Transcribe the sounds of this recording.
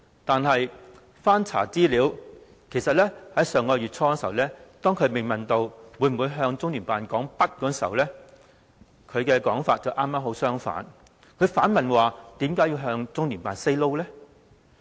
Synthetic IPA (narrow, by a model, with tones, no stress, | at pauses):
t̪aː˨nɦɐ˨j | faː˥nt͡sʰa̰ː˨˩t͡siː˥liː˨˧w | kʰe˨˩sɐ˨t̚lɛː˥hɐ˨˥jsœː˨ŋkɔː˧jyː˨t̚t͡sʰɔː˧kɔ˧˥swlɛː˥t̪ɔː˥ŋkʰɵ˨˧ɥme˨˩ŋmɐ˨nt̪o˧wwu˨˧˥jm̩˨wu˨˧jɦœː˧ŋt͡sʊ˥ŋlyː˨˩npaː˨nkɔː˨˥ŋpɐ˥t̚kɔː˨˥sḭ˨˩wlɛː˥ | kʰɵ˨˧ɥkɛː˧kɔː˨˥ŋfaː˧t̚t͡sɐ˨˩wʔaː˥mːaː˥mɦo˨˥wsœː˥ŋfa̰ː˨˥n | kʰɵ˨˧ɥfaː˨˥nmɐ˨nwaː˨t̪iː˨˥mkaː˨˥ji˧wɦœː˧ŋt͡sʊ˥ŋlyː˨˩npaː˨nse˥jlo˥wlɛ˥